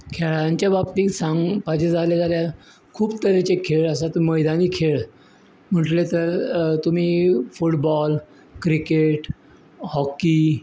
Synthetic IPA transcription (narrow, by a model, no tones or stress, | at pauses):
kʰeɭaɲt͡ɕjabapt̪iːsãŋɡpad͡ʑed͡zʱaled͡zalja | kʰuːbt̪əɾet͡ɕekʰeɭəsat̪məjd̪aniːkʰeɭ | m̤əʈlet̪əɾt̪um̤iːfuʈbɔl | kɾikeʈ | hɔki